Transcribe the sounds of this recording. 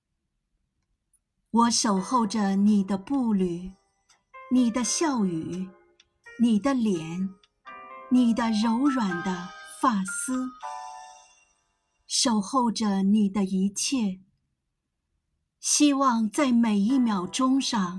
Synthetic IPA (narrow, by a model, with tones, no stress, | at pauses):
wɔ˧˥ʂo˨˩ʊxo˥˩ʊʈ͡ʂə˩ni˨˩d̪ə˦pu˥˩ly˨˩˦ | ni˨˩d̪ə˦ɕjɑ˥˩ʊy˨˩ | ni˨˩d̪ə˦ljɛ˨˧˥n | ni˨˩d̪ə˦ɻo˧˥ʊɻwa˨˩nd̪ə˦fa˥˩s̩˥ | ʂo˨˩ʊxo˥˩ʊʈ͡ʂə˩ni˨˩d̪ə˦i˧˥t͡ɕʰjɛ˥˩ | ɕi˥wɑ˥˧ŋt͡sa˥˩ɪme˨˩ɪi˥˩mjɑ˨˩ʊʈ͡ʂʊ˥ŋʂɑ˥˩ŋ